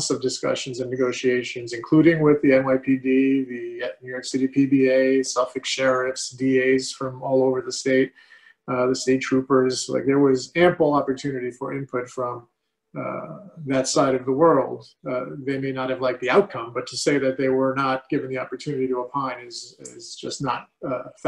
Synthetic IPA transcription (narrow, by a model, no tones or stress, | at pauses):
sʌvdɨskʌ̰ʃɨ̃n̩zɨ̃nːɨɡoʊʃieɪʃɨ̃nzɨ̃nkʰl̥ʉɾɪ̃ŋwɪðiɛ̃maɪpʰidiðɨnʉjɔɹksɪɾipʰibieɪsɑfɨkʃɛɹɨfsdieɪz̥fɹʌ̃mɔlˠoʊvə˞ðɨsteɪt̚ | ðɨsteɪtʰɹ̥ʉpə˞z̥la̰ɪk̚ðə˞wʌzæ̃mpl̩ˠɑpə˞tʰʉnɨɾifə˞ʔɪ̃npʰʊtfɹʌ̃m | ðɨtsaɪɾʌvðəwɜ˞lˠd̚ | ðeɪmeɪnət̚hɨvlaɪk̚ðiaʊt̚kʰʌ̃mbʌtʰɨseɪðɨt̪̚ðeɪwə˞nət̚ɡ̥ɪvɨ̃ŋ̩ðiɑpə˞tʰʉnɨɾiɾəəpʰãɪ̃nɨzɪzd͡ʒʌsⁿnət̚f